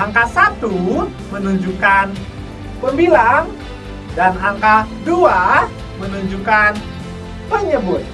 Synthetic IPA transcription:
ʔaŋkasat̪u | mənuɲd͡ʒukan | pəmbilaŋ | danaŋkadua | mənuɲd͡ʒukan | pəɲəbʊt̪̚

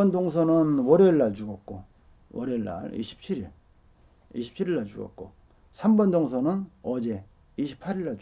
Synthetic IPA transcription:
ʌndoŋsʰʌnɯnwʌɾeɭːaɭt͡ɕuɡʌt̚k͈o̰ | wʌɾeɭːa̰ɭḭɕʰi̥p̚t͡ɕʰiɾiɭ | ḭɕʰi̥p̚t͡ɕʰiɾiɭːaɭt͡ɕuɡʌ̰t̚k͈o̰ | sʰambʌndoŋsʰʌnɯnʌd͡ʑe̞ | iɕʰi̥pʰaɾiɭːa

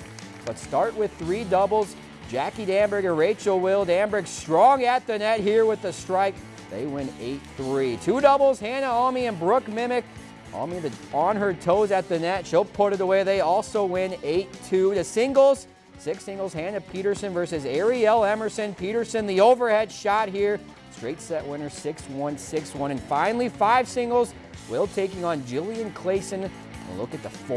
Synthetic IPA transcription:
b̥ʌtstɑɹt̚wɪð̥θɹidʌbl̩ˠz̥ | d͡ʒækidæ̃mbə˞ɡɨ̃nɹeɪt͡ʃl̩ˠwɪlˠdæ̃mbɹɨɡstɹ̥ɔ̃ŋɨt̪̚ðɨnɛt̚hiɹwɨðɨstɹ̥aɪk̚ | ðeɪwɪ̃nḛɪt̪̚θɹitʰudʌbl̩ˠz̥hæ̃nəɑmiɨ̃nbɹʊkmɪ̃mɨk | ʔɑ̰miðɨə̃nə˞tʰoʊzɨt̪̚ðɨnɛtʃoʊpʰɔɹɾɨɾəweɪðeɪɔlˠsoʊwɪ̃neɪtʰʉðɨsɪ̃ŋɡl̩ˠz̥ | sɪksɪ̃ŋɡl̩ˠz̥hæ̃nɨpʰiɾə˞sɨ̃nvɜ˞sɨzɛɹiɛlˠɛmə˞sɨ̃npʰiɾə˞sɨ̃nðioʊvə˞hɛd̥ʃɑt̚hiɹ | stɹ̥eɪtsɛʔ̚wɪ̃nə̥˞sɪkswʌ̃nsɪkswʌ̃ɾ̃ɨ̃nfãɪ̃nl̩ˠifaɪv̥sɪ̃ŋɡl̩ˠz | wilˠtʰeɪkɪ̃ŋə̃nd͡ʒɪlˠiɨ̃nkʰl̥eɪsɨ̃n | ə̰̃nlʊ̰kɨt̪̚ðəf

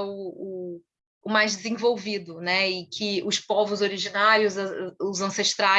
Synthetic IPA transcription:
ʊʊ | ʊmajzd͡ʒɪzẽvowvid̪ʊnɛɪkʲʰɪʊspɔvʊzoɾiʒinaɾjʊzɐʊzɐ̃seʃt̪ɾa

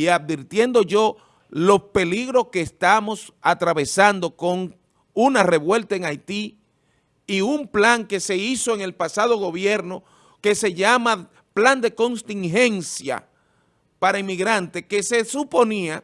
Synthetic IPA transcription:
iaðbiɾt̪je̞nd̪o̞ʝo̞ | lo̞spe̞liɣɾo̞ske̞ːst̪amo̞s | at̪ɾaβe̞sand̪o̞ko̞ŋ | unare̞βwe̞lt̪aeŋajt̪iː | umplaŋke̞se̞iso̞eŋe̞lpasaðo̞ɣo̞βje̞ɾno̞ | ke̞se̞ʝama | pland̪e̞ko̞nst̪iŋɦe̞nsja̰ | paɾaimːiɣɾant̪eke̞se̞supo̞nia

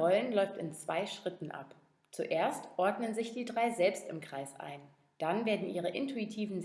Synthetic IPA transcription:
ɔlənlɔʏftɪnt͡sv̥a̰ɪʃʁ̥ɪtn̩ʔa̰p | t͡suʔeːɐstʔɔɐdnənzɪçd̥iːdʁaɪzɛlpstɪmkʁ̥aɪsʔa̰ɪn | d̥anveːɐdn̩ʔiːʁ̞əʔɪ̰ntʰuitʰiːvn̩z

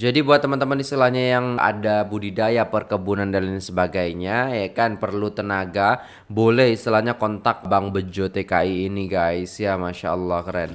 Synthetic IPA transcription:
d͡ʒadibuat̪ːəmant̪əmənist̪ilahɲajaŋa̰dabudidajapərkəbunandalinsəbaɡajɲajakanpərlut̪ənaɡa | bolɛhist̪ilahɲakɔnt̪ak̚baŋbəd͡ʒot̪ekaiːniɡaisjamaʃa̰əlːɑhkɾɛn

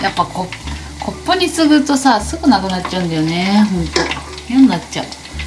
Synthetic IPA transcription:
japːakʰo | kʰo̞pːo̞ɲ̟isɨɡɯ̟t̪o̞sasɨɡɯ̟nakɯ̟natt͡ɕt͡ɕːaɯ̃nd̪ajone̞ɦõnt̪ojonːat͡ɕt͡ɕa̰ɯ̟

